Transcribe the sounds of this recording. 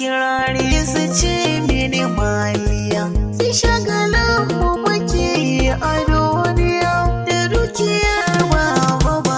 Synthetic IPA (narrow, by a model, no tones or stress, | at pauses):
ɪɽaːɽesut͡ʃemenemalɪjaːsiʃaɡɐlɐmːumʊkʲeːjiʔadonɪjaːdadukʲɪjɐrbaːbɐba